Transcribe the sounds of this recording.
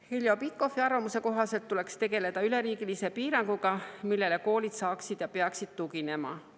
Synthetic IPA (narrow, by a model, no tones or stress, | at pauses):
hiljo̞pit̪̚ko̞fːiɑrvɑmuse̞ko̞ɦɑse̞lt̪ːule̞kst̪e̞ɡ̥e̞le̞d̪̥ɑyle̞ɾiːɡ̥ilise̞piːɾɑŋɡ̥uɡ̥ɑmilːe̞le̞ko̞ːlid̪̥sɑːksid̪̥jɑpeɑksid̪̥̚t̪uɡine̞mɑ̰